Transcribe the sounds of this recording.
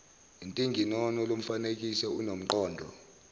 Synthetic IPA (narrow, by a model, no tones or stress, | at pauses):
intʼiŋɡʱinɔnɔlom̩fanek̬ʼisɛunom̩ǃɔːndʱɔ̰